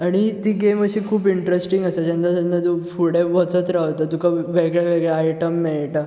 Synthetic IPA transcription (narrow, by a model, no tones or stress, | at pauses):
aɽ̃it̪iːɡeməɕiːkʰuːpiɳʈɾesʈiŋɡəsad͡ʑẽnd̪asə̃nd̪at̪ufuɽeʋət͡sət̪ɾaʋt̪at̪ukʰaʋeɡɭjaʋeɡɭjaajʈəmːiɭʈa